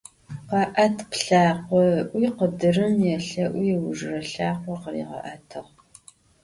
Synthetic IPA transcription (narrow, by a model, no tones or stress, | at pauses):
qɑʔɐtʰpɬaːqʷɔʔʷiːqədɨrɨmjɛɬɐʔʷiːwʊʒrɐɬaːqʷɔqərḭːʁɐ̰ʔɐtʰɨʁ